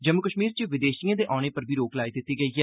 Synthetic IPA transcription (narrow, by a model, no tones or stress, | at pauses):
d͡ʒəmːʊkəʃmiːɾt͡ʃɪʋɪd̪eːʃijãːd̪eːʔaːɽ̃eːpəɾbʱiːɾoːklaːiːd̪ɪt̪ːiːɡəiːɦɛː